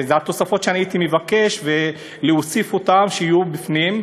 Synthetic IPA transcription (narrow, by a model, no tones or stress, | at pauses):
zeat̪o̞safo̞t̪ʃeaniit̪imevake̞ʃve | leosifotamʃeijubifnim